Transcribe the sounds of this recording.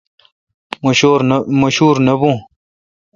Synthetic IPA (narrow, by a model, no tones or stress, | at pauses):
ɾmɐɕuːɾnɐbũː